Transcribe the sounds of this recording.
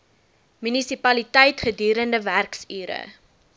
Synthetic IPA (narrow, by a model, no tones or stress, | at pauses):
mynisipɐlitɛjtχədyːɾəndəværksyːɾə̰